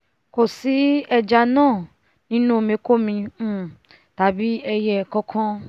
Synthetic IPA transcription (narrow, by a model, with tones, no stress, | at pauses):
ko˨si˨˦ɛ˧d͡ʒa˧nãː˦˨ | nĩ˦nũ˦˨mĩ˧˦ko˦mĩ˧˦ | ta˨˦bi˦ɛ˧jɛ˨kɔ̃˧kʰɔ̃˦